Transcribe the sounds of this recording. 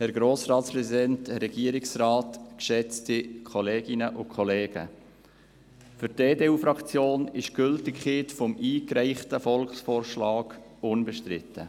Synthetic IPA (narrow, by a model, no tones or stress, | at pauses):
hɛɾɡɾoːsrɑːtspɾɛsidɛntɾɛɡ̥iəɾɪksrɑːtkʃɛt͡stikʰɔleːɡ̥ɪnəʔʊkʰχɔleːɡ̥ə̰ | fyɾteːdeːuːfɾɑkt͡sjoːnɪʃɡ̥ʏltɪkχetfɔmiːkɾæɪχtəfɔlkχsfoːrʃlɑːɡ̥ | ʊnbɛʃtɾɪ̰tːə